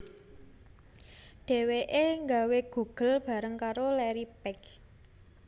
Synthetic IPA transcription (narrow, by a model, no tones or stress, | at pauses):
ɖ̥e̤weʔeŋɡaweɡ̥ṳɡ̥ə̤lb̥ä̤ɾəŋkaɾolɛɾipɛk